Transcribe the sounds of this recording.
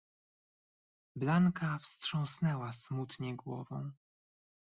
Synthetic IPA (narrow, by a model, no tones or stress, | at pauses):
blaŋkafstʂɔ̃w̃snɛwasmut̪ɲɛɡwɔvɔ̰̃w̃